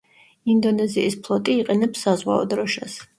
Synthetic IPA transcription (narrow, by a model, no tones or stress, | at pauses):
ind̪ɔnɛziispʰlˠɔt̪ʼiːqʼɛnɛpsːazʁwa̰ɔ̰d̪ɾɔʃas